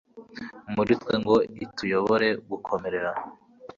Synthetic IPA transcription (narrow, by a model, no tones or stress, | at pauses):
muɾitkweŋɡo̞itʰujo̞βoɾe̞ɡukʰo̞me̞ɾe̞ɾa